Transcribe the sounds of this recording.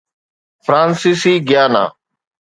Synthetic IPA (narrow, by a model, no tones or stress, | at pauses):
fɾãːnsiːsiːɡɪjaːna̰ː